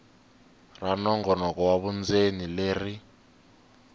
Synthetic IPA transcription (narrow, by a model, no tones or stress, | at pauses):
ranɔŋɡɔnɔk̬ʼɔwaβund͡zenileːri